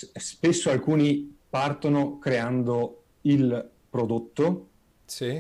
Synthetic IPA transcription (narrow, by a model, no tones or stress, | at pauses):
spesːoalkuːnipart̪onokɾeand̪o | il | pɾod̪ot̪ːo | si